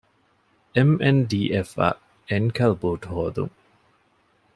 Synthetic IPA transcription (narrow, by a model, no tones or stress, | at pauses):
ʔemʔenɖiːʔefɐ̰ | enkʰɐlbuːʈhoːd̪ṵŋ